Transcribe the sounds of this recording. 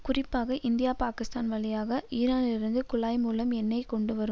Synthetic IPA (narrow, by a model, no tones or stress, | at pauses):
kʊrɪpːaːɣɐʔɪnd̪ɪjaːpaːkɪst̪aːnʋɐɭɪjaːɣɐiːɾaːnɪlɪɾɯnd̪ɯkʊɭaːjmuːlɐmɛnːɐɪkɔɳɖɯʋɐɾɯm